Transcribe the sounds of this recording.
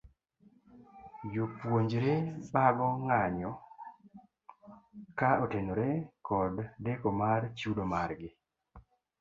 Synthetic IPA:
jopwoɲd͡ʒɾebaɡɔŋaɲɔ | kaotenoɾekɔdːekomart͡ʃudomaɾɡɪ

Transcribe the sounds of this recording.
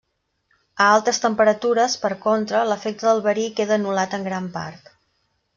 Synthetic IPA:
əalˠt̪əst̪əmpəɾət̪uɾəspəɾkont̪ɾələfek̚t̪əðəlˠβəɾikeðəːnulat̪əŋɡɾampa̰rt̪

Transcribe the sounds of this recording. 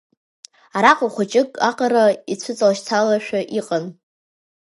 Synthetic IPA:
aɾaqʼʊχʷat͡ʃʼɪkʼaqʼaɾait͡sʷʰʊt͡sʼalʃt͡sʰalaʃᶣaʔiqʼan

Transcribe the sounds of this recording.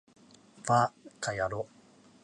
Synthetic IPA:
vakʰajaɾo

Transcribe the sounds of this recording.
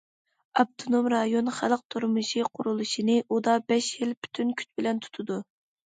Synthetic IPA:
ɑp̚t̪ʰonomɾɑjonχælˠəq̚t̪ʰuɾmɨʃiqʰʊɾulˠuʃinɨʔud̪ɑbɛʃjilpʰy̥t̪ʰynkʲʰy̥t͡ʃ̪̚ʲbɪlɛnt̪ʰu̥t̪ʰɨd̪u

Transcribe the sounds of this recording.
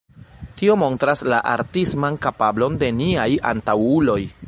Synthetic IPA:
tio̞mo̞ntɾaslaʔa̰ɾtismankapablo̞nde̞niaja̰ntawulo̞j

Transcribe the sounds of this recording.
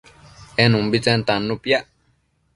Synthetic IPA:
ɛnũmbit͡sɛnt̪anːupja

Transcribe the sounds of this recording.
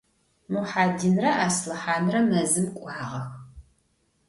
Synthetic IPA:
muħaːdinrɐʔaːslɨħaːnrɐmɐzɨmkʷʼɑːʁɐx

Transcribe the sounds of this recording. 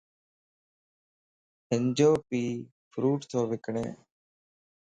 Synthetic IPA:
ɦɪnd͡ʒoːpiː | pʰɾuːʈt̪ʰoːʋɪkɳḛː

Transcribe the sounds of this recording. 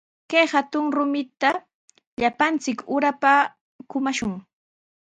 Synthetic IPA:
kajhat̪ʊŋɾʊmɪt̪a | ʎapant͡sɪkʊɾapa | kʊmaʃʊŋ

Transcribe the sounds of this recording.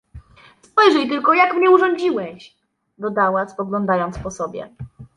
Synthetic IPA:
spɔjʐɛjt̪ɘlkɔjakmɲɛuʐɔɲd͡ʑiwɛɕ | d̪ɔd̪awaspɔɡlɔnd̪ajɔnt̪spɔsɔbʲjɛ̰

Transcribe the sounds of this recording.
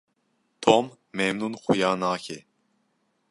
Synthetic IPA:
t̪ʰomː | ɛmnunxujaːnaːkʰɛ

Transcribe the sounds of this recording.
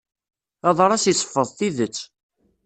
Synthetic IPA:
ɑðˤɾˤɑsisˤə̥fːəðˤθiðət͡sː

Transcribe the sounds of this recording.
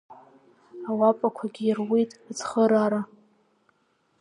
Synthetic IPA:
awapʷʼakʷʰaɡʲiːrwitʼat͡sʰχəɾaɾa

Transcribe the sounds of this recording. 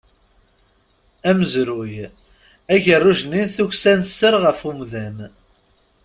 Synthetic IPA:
æməzɾuj | æʝərˤːuʒəninθuçsænsːəɾʁəfumðæn

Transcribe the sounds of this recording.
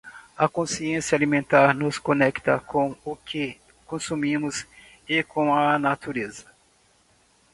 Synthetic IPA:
ɐkõsiẽsjɐalimẽnt̪aɾnʊskõnɛkt̪ɐkʰõw̃ʊkʰɪ | kõsumĩmʊz | ɪkõw̃ɐnat̪uɾezɐ̥

